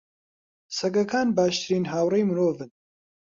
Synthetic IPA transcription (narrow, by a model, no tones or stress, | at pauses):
sɐkɐkaːnbaːʃt̪ʰɨɾiːnɦaːwrejmɨɾoːvɨn